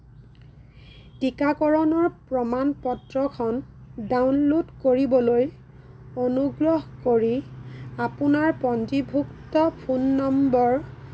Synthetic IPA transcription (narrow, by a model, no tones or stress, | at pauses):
tikakɔɹɔnɔɹpɹɔmanpɔtɹɔkʰɔndawnlotkoɹibɔloj | onuɡɹɔɦkoɹiapʊnaɹpɔntibʱuktɔpʰunːɔmbɔɹ